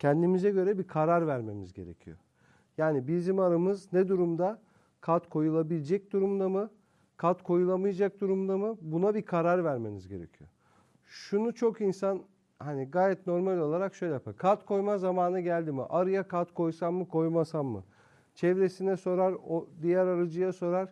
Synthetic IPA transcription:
cʰɛnd̪imizɛɟø̞ɾɛbikʰaɾaɾvæɾme̞mizɟe̞ɾḛcʰḭjo̰ | jaːnibizimaɾamɯznɛd̪uɾumd̪a | kʰat̪kʰo̞julˠabilʲd͡ʒɛc̚d̪uɾumd̪amɯ | kʰat̪kʰo̞julˠamɯjad͡ʒak̚d̪uɾumd̪amɯbunabikʰaɾaɾvæɾme̞mizɟe̞ɾḛcʰijo̰ | ʃunut͡ʃʰo̞kinsan | haniɡaːjɛt̪no̞ɾmalʲo̞lˠaɾakʃø̞jlʲɛjapʰaɾkʰat̪kʰo̞jmazamaːnaɟælʲd̪imḭʔaɾɯjakʰat̪kʰo̞jsamːɯkʰo̞jmasamːɯ̰ | t͡ʃʰɛvɾe̞sinɛso̞ɾaɾod̪ijæɾaɾad͡ʒɯjaso̞ɾaɾ̥

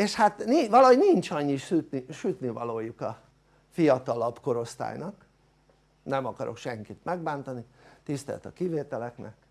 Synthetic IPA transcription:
eːʃhat̪niʋɒlɒɦoɟnint͡ʃɒɲːiʃyt̪niʃyt̪nivɒloːjukɒ | fijɒt̪ɒlɒbko̞ɾo̞st̪a̰ːjnɒk | nɛmɒkɒɾo̞̰kʃɛŋkit̪mɛɡ̚baːnt̪ɒnit̪ist̪ɛ̰lt̪ɒkiveːt̪ɛlɛknɛ̰k

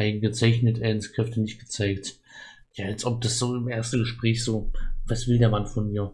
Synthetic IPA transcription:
aɪn̩ɡət͡saɪçnətɛɪnskʁ̥ɛftənɪçt̚ɡ̥ə̥t͡saɪkt | jaːalsʔɔp̚d̥asz̥oːɪmʔeːɐstn̩ɡəʃpʁ̥ɛːçz̥oːvasv̥ɪldeːɐmanfɔnmiːɐ

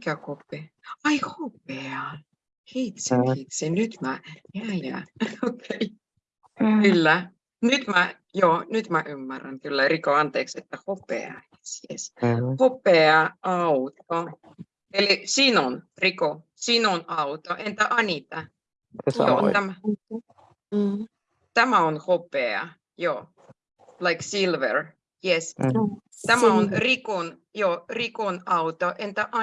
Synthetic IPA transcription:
mikækopːeɑjhop̚eɑ | heit̪seit̪senyt̪mæjæjæ̰okʰːei | kylːæ | nyt̪mæ | joːnyt̪mæʔymːæræ̰nkylːærikoɑnt̪eːkset̪ːæhopḛɑ̰esiḛshopeɑʔɑwt̪o | elisiːnonriko | siːnonɑwt̪oʔɛ̃nt̪əʔanit̪a | jot̪æm | t̪æmaonhopeə̰ | jo | laɪksilvə̰ɹ | jɛs | t̪æmaõnrikon | joːrikonɑwt̪oʔẽnt̪əʔa

